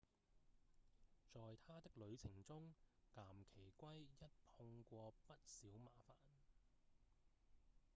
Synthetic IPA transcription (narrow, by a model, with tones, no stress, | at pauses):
t͡sɔː˨jt̪ʰaː˥t̪ɪ˥k̚lɵ˨˧ɥt͡sʰɪ˨˩ŋt͡sʊ˥ŋkaː˨˩mkʰe˨˩jkʷɐ˥jjɐ˥t̚pʰʊ˧ŋkʷɔː˧pɐ˥t̚siː˨˥wma̰ː˨˥faː˨˩n